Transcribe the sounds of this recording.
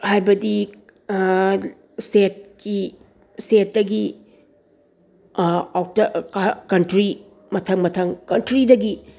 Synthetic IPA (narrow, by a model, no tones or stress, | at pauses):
hajbɐdi | stet̚ki | stet̚dɐɡi | atɐkakɐntɾi | mɐtʰɐŋmɐtʰɐŋkɐntɾidɐɡi